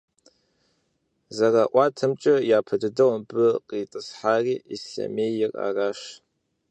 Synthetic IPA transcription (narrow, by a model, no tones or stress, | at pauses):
zaraʔʷatʰɨmt͡ʃʼɨjaːpʰɨdɨdawmbɨqʼitʼɨsħariisɬa̰mejɪrʼa̰raʂ